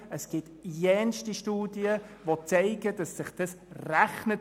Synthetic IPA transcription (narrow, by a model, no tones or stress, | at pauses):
əsɡ̥ɪt | jɛnʃtiʃtuːdiəʋot͡sɛɪɡəd̥ɑsːɪχd̥ɑsræχnə